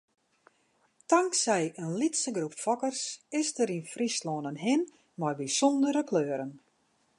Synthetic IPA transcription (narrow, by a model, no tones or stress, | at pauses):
taŋksɛjənlitsəɡrupfɔkərsɪsdəɾinfrisloːnənɦɪn | mɔrbisɔndəɾəkʰløːɾən